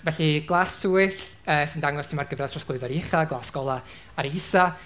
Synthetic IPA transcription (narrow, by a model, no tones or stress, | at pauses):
vɛɬiɡ̥lˠaːsuːɨɬ | əːsɨndaŋwɔstʰɪmarɡəvraðtʰrɔsɡ̥ˠʊɨvaɾiɪχaɡlˠaːsɡ̥ɔlˠa | aɾehɪsa